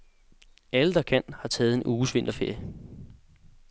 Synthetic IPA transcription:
æləd̥ɑ̈kʰæn̰hɑ̈t͡sʰɛːð̞̩ˠe̝nʔuːsʋe̝n̰d̥ɐfeɐ̰j

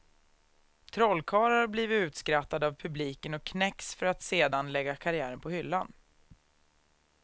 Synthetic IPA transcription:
t̪ʰɾɔlːkʰɑːɾaɾbliːvɪt̪ʉ̟ːt̪skɾat̪ːad̪avpʰɵbliːkənɔkʰːnɛksfœɾat̪seːd̪anlɛɡːakʰaɾɪæːɾənpʰɔhʏlːan

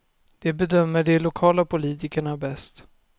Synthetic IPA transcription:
d̪̥ɛbɛd̪œmːəɖɛlʊkʰɑːlapʰʊliːt̪ɪkəɳabɛst̪

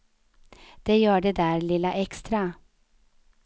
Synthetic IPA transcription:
d̪̥eːjøːɖeːd̪æːɾlɪləʔɛkst̪ɾɑ

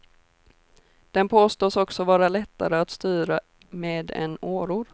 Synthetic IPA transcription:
d̪̥ɛnpʰoːst̪oːsɔksɔvɑːɾalɛt̪ːa̰ɾəat̪st̪yːɾa | meːd̪ɛ̰noːɾuːɾ

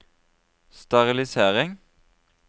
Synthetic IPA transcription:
st̪ɑʁɪlɪseːʁɪŋ

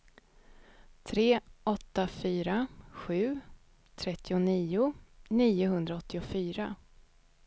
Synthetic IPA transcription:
t̪ʰɾeːʔɔt̪ːafyːɾaɧʉ̟ː | t̪ʰɾɛt̪ʰːɪʊniːʊniːʊɦɵnd̪ɾaɔt̪ʰːɪʊfyːɾa

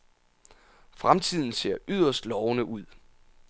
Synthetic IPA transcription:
fʁamt͡sʰið̰ˠn̩se̝̰ɐ̰ʔyð̞̰ˠɐsd̥lɒʊnəʔuð̞̰ˠ

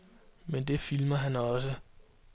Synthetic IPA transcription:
mend̥e̝filmɐɦænɒ̽s̬ə

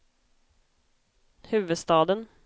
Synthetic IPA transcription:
hʉ̟ːvɵd̪st̪ɑːd̪ən

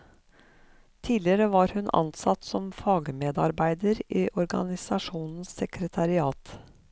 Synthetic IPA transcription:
t̪ʰiːlɪəɾəʋɑːɾhʉnʔɑ̰nsɑt̪sɔmfɑːɡmeːd̪ɑɾbæɪd̪əɾʔiːʔɔɾɡɑ̰nɪsɑʃuːnn̩sɛkɾət̪ʰɑɾɪɑːt̪

